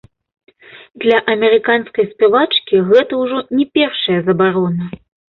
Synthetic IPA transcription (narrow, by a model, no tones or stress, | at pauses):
d̪lʲɐʔɐmʲɛɾɨkanskɐjspʲɛvat͡ʂkʲiɣɛt̪ɐwʐɔnʲɛpʲɛrʂɐjɐzɐbaɾɔnɐ